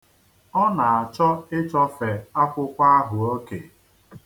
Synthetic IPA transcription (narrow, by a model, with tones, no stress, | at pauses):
ɔ˦na˨a˨t͡ʃɔ˦ɪ˦t͡ʃɔ˦fe˨a˦kʷʊ˦kʷa˦a˦ɦʊ˨o˦ke˨